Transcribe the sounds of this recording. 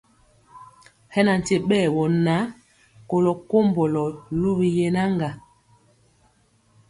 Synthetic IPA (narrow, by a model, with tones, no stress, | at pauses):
hɛ˦na˨n̩˨te˨ɓɛː˦˨wɔ˨na˨˦ | ko˨lɔ˨ko˦mbɔ˨lɔ˨lu˦bi˨je˦na˦ŋɡa˨